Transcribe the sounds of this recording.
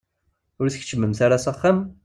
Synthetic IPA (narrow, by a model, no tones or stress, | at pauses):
ʊɾθəç̥t͡ʃːəmːəmθaɾasaχːam